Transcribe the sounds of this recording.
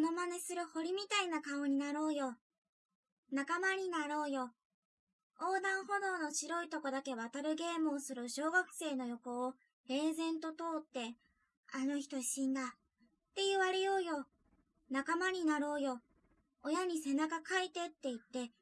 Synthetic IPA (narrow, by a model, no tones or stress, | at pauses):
no̞mane̞sɨɾɯ̟ho̞ɾʲimʲit̪ainakao̞ɲ̟inaɾo̞ːjo̞ | nakamaɲ̟inaɾo̞ːjo̞ | oːd̪ãɰ̃ho̞d̪o̞ːno̞ɕiɾo̞it̪o̞ko̞d̪ake̞βat̪aɾɯ̟ɡe̞ːmoːsɨɾɯ̟ɕo̞ːɡakɯ̟̥se̞ːno̞jo̞ko̞ː | eːzẽ̞nt̪o̞t̪o̞ːt̪ːe̞ | ano̞çi̥t̪o̞ɕĩnd̪a | t̪ːe̞jɯ̟βaɾejo̞ːjo̞ | nakamaɲ̟inaɾo̞ːjo̞ː | jaɲ̟ise̞nakakait̪e̞t̪ːe̞it̪ːe̞